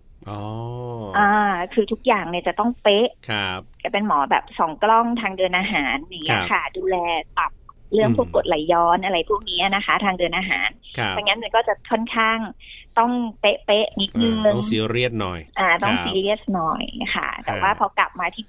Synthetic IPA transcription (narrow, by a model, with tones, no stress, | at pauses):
ʔɔ˨˩ʔaː˧kʰɯː˧t̪ʰu˦˥k̚jaː˨˩ŋni˥˩t͡ɕa˨˩t̪ɔ˥˩ŋpe˦˥ʔʰka˧˩pe˧nmɔː˩˦bɛ̰ː˨˩p̚sɔː˩˦ŋklɔ˥˩ŋt̪ʰaː˧ŋdɤː˧nʔaː˧ɦaː˩˦nːa˧˩ŋnːi˦˥ɐkʰa˥˩duː˧lɛː˧t̪a˨˩p̚lɯ˥˩əŋp̪ʰu˥˩kːo˨˩t̪̚la˨˦jːɔː˨˦˥nʔa˧ɾa˧jpʰuː˥˩ŋ̚ni˦˥ɐna˦˥xʰa˦˥t̪ʰaː˧ŋdɤː˧nʔaː˧ɦa̰ː˩˦nʰ˦˧a˧˩ŋa˦˥nma˧nkɔː˥˩t͡ɕa˨˩kʰɔ˥˩nkʰaː˥˩ŋt̪ɔ˥˩ŋpe˦˥ʔpe˦˥ʔni˦˥t̪̚ŋɯː˧si˨˦ɾi˥˩ət̪̚nɔ̰˨˩jʔaː˧˩t̪ɔ˥˩ŋsiː˧li˦˥əsnɔ˨˩jkʰa̰˥˩t̪ɛ̰˨˩waː˥˩pʰɔ˦˥kla̰˨˩p̚maː˧t̪ʰiː˥˩